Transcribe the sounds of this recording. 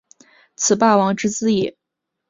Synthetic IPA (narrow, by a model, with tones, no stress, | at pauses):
t͡sʰɹ̩˨˩pa˥˩wɑ˧˥ŋʈ͡ʂɻ̩˥t͡sɹ̩˥˧i˥˩